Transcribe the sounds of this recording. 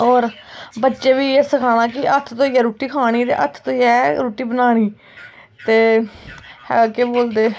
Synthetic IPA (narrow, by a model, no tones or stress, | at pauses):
ɔːɾbətːʃeːʋiːɛsəkʰaːɽ̃aːkɪʔət̪ʰt̪õːiɛːɾuːʈiːkʰaːɽ̃iːt̪ḛːʔə̰t̪ʰt̪õːiɛːɾuːʈiːbənaːɽ̃iː | t̪eː | hɛ̰keːboːld̪eː